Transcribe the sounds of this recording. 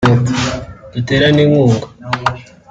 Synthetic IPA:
o | iteɾaneŋuːŋɡa

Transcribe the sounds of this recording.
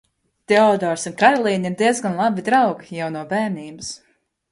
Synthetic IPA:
t̪ɛɔd̪ɔːɾsunkaɾɔlˠiːniɾd̪iɛzɡanlˠabid̪ɾawɡjawnuɔbæːniːbɨs

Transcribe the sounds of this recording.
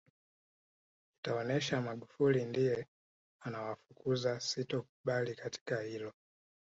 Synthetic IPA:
itaɔnɛʃamaɠufulindijɛ | anawafu̥kʰuzasitɔkuɓalikati̥kahilɔ

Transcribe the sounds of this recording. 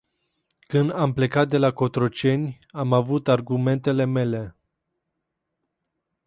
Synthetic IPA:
kɨnd̪ample̞kat̪̚d̪e̞lako̞t̪ɾot͡ʃe̞nʲ | amavut̪arɡume̞nt̪e̞le̞me̞le̞

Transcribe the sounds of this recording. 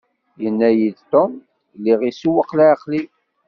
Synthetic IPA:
jənːæjid̪t̪om | liʁisuwəqlʕqli

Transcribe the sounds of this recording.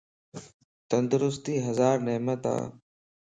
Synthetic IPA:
t̪ənd̪ʊɾʊst̪iːɦəzaːɾneːmət̪a̰ː

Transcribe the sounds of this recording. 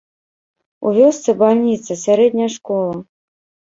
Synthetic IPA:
ṵvʲɔst̪sɨbalʲnʲit̪sɐsʲaɾɛd̪ʲnʲɐʂkɔlˠɐ

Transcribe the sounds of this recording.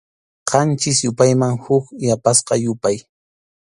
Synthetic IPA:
qɑnt͡ʃɪsjʊpajmaŋhʊkjapasqɑjʊpaj

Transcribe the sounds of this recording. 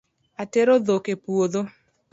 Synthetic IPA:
ateɾoðokepuoðo

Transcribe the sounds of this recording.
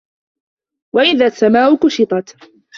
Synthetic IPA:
waʔɪðaːsːamaːʔʊkʊʃɪt̪ˤɑt̪

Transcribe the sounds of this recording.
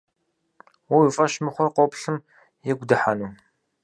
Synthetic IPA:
wuwifʼɐʃmɨχʷɔqʷopɬɨm | jɛɡʷdɨħanu

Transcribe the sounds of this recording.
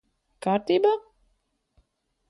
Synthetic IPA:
kaːɾt̪iːba

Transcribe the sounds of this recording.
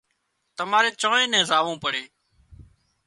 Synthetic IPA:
t̪əmaːɾeːt͡ʃõːẽːnɛ̃ːzaːʋõːpəɽeː

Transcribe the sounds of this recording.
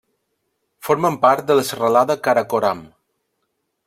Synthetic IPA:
foɾməmpaɾt̪̚d̪ələsərəlaðəkaɾakoɾam

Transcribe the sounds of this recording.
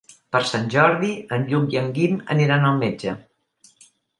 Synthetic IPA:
pəɾsanʲʒɔɾðiənʎuk̚iəŋɡimə̰niɾanəlˠmed͡ʒə

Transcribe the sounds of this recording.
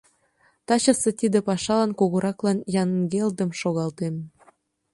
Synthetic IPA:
t̪ɑt͡ɕɤ̆sĕt̪id̪ĕpɑʃɑlɑnkoɣoɾɑklɑnjɑnɡeld̪ə̆mʃoɣɑlt̪em

